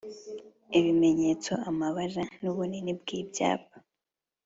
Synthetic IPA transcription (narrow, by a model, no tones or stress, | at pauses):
iβime̞ɲet͡so̞amaβaɾanuβuninibɡiːbja̰ːpḁ